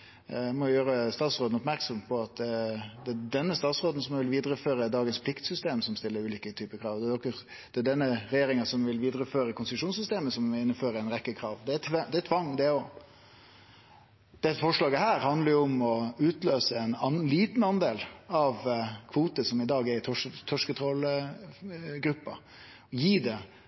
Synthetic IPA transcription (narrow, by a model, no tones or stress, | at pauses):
mɔjɪjøːɾəst̪ɑːt̪sʁoːd̪n̩ɔpmæɾksɔmpʰɔɑt̪̚d̪ɛdɛnːəst̪ɑːt̪sɾoːd̪n̩sɔmʋɪlʋiːd̪ɾəføːɾəd̪ɑːɡənspʰlɪkt̪sʏst̪eːmsɔmst̪ɪlːəɾʉːliːkət̪ʰyːpəkʰɾɑːʋd̪ɛd̪ɔkːə | d̪̥ɛæɖɛnːəɾɛjeːɾɪŋənsɔmʋɪlʋiːd̪ɾəføːɾəkʰʊnsɪʂuːnsʏst̪eːməsɔmɪnːəføːɾəɛɪnɾɛkːəkʰɾɑːʋd̪ɛæt̪ʰd̪ɛɛt̪ʰʋɑŋd̪ɛɔ | d̪̥ɛfɔʂlɑːɡəhæːɾhɑnd̪ləɾjʊɔmɔʉːt̪løːsəɛnliːt̪nɑnd̪eːlɑʋkʰʋuːt̪əsɔmɪd̪ɑːɡɛɾɪt̪ʰɔʂt̪ʰɔʂkət̪ʰɾɔl | ɡɾʉpːɑ | ɔjiːd̪ɛ